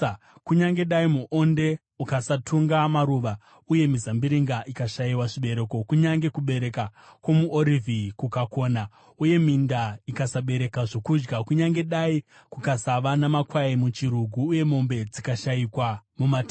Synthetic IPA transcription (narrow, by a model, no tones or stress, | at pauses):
kuɲaŋɡe̞ɗaimuʔo̞nde̞ | ukasatʰuŋɡamaɾuːʋa | uje̞mizambiɾiŋɡaʔikaʃaiwaʐiɓe̞ɾe̞ko̞kuɲaŋɡe̞kuɓe̞ɾe̞kakwomuʔoɾivʱikukako̞ːna | uje̞mindaikasaɓe̞ɾe̞kaʐo̞kud͡ʒɡakuɲaŋɡe̞ɗai | kukasaʋanamakwaimut͡ʃiɾuɡʱuːje̞mo̞mbe̞d͡zikaʃaikwamumata